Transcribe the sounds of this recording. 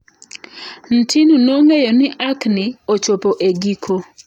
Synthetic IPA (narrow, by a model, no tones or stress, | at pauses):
n̩tʰinunoŋejonɪʔaknɪot͡ʃopoʔeɡikʰo